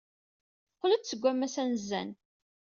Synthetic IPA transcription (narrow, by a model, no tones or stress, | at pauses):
qlət͡s̪t͡sːəɡʷːæmːæsænzːæ̰n